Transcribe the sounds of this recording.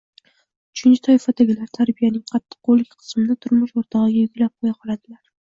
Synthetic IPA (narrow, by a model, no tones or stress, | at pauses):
ʊt͡ʃʰɪnt͡ʃɪ̥t̪ʰɒɪfad̪aɡʲɪlaɾt̪ʰaɾbijanɪŋqʰɑt̪ːɨ̥qːolːɪkʲqʰɨ̥smɪd̪at̪ʰʊɾmɪʃoɾt̪ʰɒʁɨɡʲajʊɡʲlap̚qʰojaqʰɒlad̪ɪlaɾ